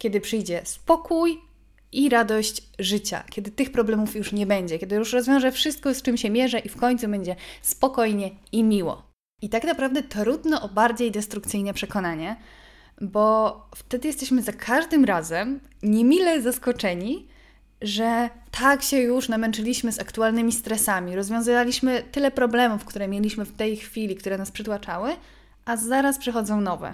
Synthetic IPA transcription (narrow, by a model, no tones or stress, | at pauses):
kʲɛd̪ɘpʂɘjd͡ʑɛspɔkuj | ʔiɾad̪ɔɕt͡ɕʐɘt͡ɕa̰kʲɛd̪ɘt̪ɘxpɾɔblɛmufjuʂɲɛbɛɲd͡ʑɛkʲɛd̪ɘjuʂɾɔzvjɔ̃w̃ʐɛfʂɘst̪̚kɔst͡ʂɘmɕɛmʲjɛʐɛʔifkɔɲt̪subɛɲd͡ʑɛspɔkɔjɲɛimʲiwɔ̰ | it̪aknapɾavd̪ɛt̪ɾud̪nɔʔɔbaɾd͡ʑejd̪ɛst̪ɾukt̪sɘjnɛpʂɛkɔnaɲɛ | bɔft̪ɛd̪ɘjɛst̪ɛɕmɘzakʰaʐd̪ɘmɾazɛm | ɲemʲilɛzaskɔt͡ʂɛɲi | ʐɛt̪ʰakɕɛjuʂnamɛnt͡ʂɘlʲiɕmɘzakt̪ualnɘmʲist̪ɾɛsamʲiɾɔzvʲjɔ̃zɨvalʲiɕmɘt̪ɘlɛpɾɔblɛmufkt̪uɾɛmʲjelʲiɕmɘft̪ɛjxfʲilʲik̚t̪uɾɛnaspʂɘt̪wat͡ʂawɘ | ʔazaɾaspʂɛxɔd̪zɔ̃w̃nɔvɛ̰